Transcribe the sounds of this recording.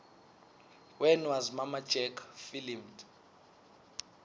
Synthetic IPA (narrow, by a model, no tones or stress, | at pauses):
wɛnwazmamḁd͡ʒ̥ʱɛkʰfilimd